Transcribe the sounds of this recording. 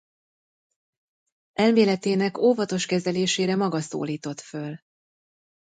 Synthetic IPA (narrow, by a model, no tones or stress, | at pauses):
ʔɛlmeːlɛt̪eːnɛkoːvɒt̪o̞ʃkɛzɛleːʃeːɾɛmɒɡɒso̰ːliːt̪o̞t̪føl